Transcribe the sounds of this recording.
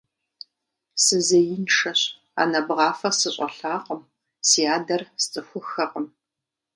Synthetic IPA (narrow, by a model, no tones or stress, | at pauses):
sɨzɐjɪnʂɐɕ | a̰ːnɐbʁɑːfɐsɨɕʼɐ̰ɬaːqʼəm | sijaːdɐrst͡sʼɨxʷʊxɐqʼəm